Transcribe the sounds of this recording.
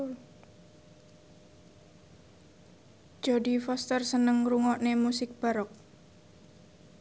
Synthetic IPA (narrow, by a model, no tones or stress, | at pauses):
d̥d͡ʒ̥odi̤fɔst̪ərsənəŋruŋɔʔnemusɪk̚b̥a̤ɾɔk̚